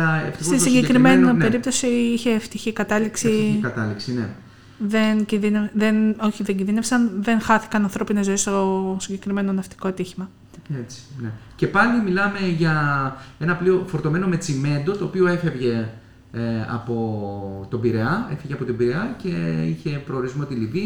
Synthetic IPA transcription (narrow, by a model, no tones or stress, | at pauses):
ɐeft̪isoissiɲɟe̞kɾimenipeɾip̚t̪osiiçe̞ːft̪içikɐt̪ɐliksiiɐt̪ɐliksine̞ | ðe̞nciðineðeno̞çiðeɲɟinðinesɐnðe̞nxɐθi̥kɐnɐnθɾo̞pinezo̞est̪osiɲɟe̞kɾime̞no̞nɐft̪i̥ko̞ɐt̪içimɐ | et͡si̥nece̞pɐlimilɐme̞ʝɐe̞nɐplio̞fo̞ɾt̪o̞me̞no̞me̞t͡sime̞nd̪o̞t̪o̞ːpio̞e̞fe̞vʝe̞ | eɐ̰po̞t̪o̞biɾe̞ɐe̞feʝeɐpo̞t̪ibiɾeɐce̞içe̞pɾo̞ːɾizmo̞t̪ilivi